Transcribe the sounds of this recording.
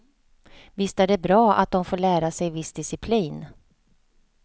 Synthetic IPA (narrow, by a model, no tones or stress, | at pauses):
vɪst̪ad̪ɛbɾɑːʔa̰t̪̚d̪ɔmfoːɭæːɾasɛjvɪsd̪ɪsɪpʰliːn